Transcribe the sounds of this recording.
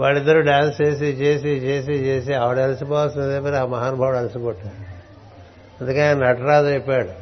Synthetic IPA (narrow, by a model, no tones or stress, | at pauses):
ʋaːɭid̪ːɐɾuɖaːnst͡ʃeːs̬it͡ʃe̞ːs̬it͡ʃeːs̬it͡ʃeːs̬iaːʋɐɽelɐsipɔːʋɐsinɐd̪eːpɐɾaːmɐɦaːnubʱaʋɐɽɐlɐsikɔʈːaːɽu | ɐnd̪ukeanɐɐʈɾaːd̪epːaːɽu